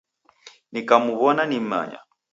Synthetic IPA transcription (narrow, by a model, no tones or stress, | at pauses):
nikamuβɔnanima̰ɲa̰